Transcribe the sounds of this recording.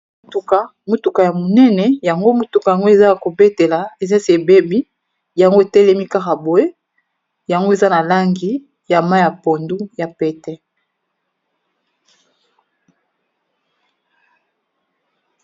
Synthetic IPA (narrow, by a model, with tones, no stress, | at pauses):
tu˨ka˨ | mo˦tu˨ka˨ja˨mo˨nɛ˦nɛ˨ja˨ŋɡo˦mo˦tu˨ka˨ja˨ŋɡo˦e˨za˦˨ko˨be˦te˨la˨e˨za˦se˨be˦bi˦ | ja˨ŋɡo˦e˨tɛ˦lɛ˦mi˦ka˦ka˨bo˨e˦ | ja˨ŋɡo˦e˨za˦na˨la˦ŋɡi˦ | ja˨ma˦ja˨po˨ndu˦ja˨pɛ˨tɛ˦